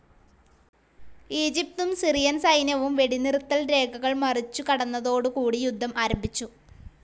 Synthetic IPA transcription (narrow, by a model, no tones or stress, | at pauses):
iːd͡ʑip̚t̪umsirijɐnsɐjnɐʋumʋe̞ɽinirut̪ːɐlɾe̞ːɡʱɐɣɐɭmɐrit͡ɕːukɐɽɐnːɐðo̞ːɽɨkuːɽijud̪ʱːɐmaːɾɐmbʱit͡ɕːu